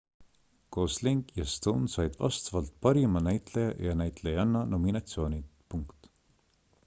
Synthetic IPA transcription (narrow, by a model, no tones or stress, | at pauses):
ko̞ːsliŋɡjɑst̪unsɑjd̪̥vɑ̰st̪vɑlt̪̚pɑɾimɑnæjt̪lejɑjɑnæjt̪lejɑnːɑno̞minɑt̪sio̞ːnʲipuŋkt̪